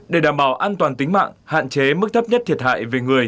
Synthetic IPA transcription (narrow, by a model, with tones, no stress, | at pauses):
ɗe˧˩ɗaː˨˩mɓaː˧˩wʔaː˧nt̪waː˨˩nt̪ï˨˦ŋ̟ma̰ː˧˨ŋha̰ː˧˨nt͡ɕe˨˦mɨ˦˥k̚t̪ʰə˦˥p̚ɲə˦˥t̪ʰi˨˩ət̚ha̰ː˧˨jve˨˩ŋɨ˨˩əj